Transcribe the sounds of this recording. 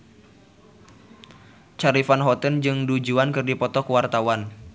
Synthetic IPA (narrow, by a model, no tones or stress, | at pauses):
t͡ʃaɾifanɦɔt̪ənd͡ʒɨŋdud͡ʒuankɨrdipɔt̪ɔkəwart̪awan